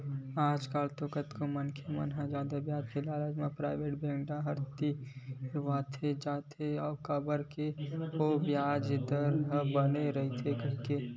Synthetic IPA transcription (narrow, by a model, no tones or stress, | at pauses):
aːd͡ʒkaːlt̪oːkət̪komənkʰemə̰nɦãd͡ʒaːd̪abjaːd͡ʒkʰelaːlad͡ʒmãpɾaːɪʋeːʈbẽːŋɖaɦɐɾt̪iɾʋaːt̪ʰed͡ʒaːt̪ʰeɔːkəbəɾkeobjaːd͡ʒɪd̪əɾɦəbəneɾɐɦit̪ʰekɐɦke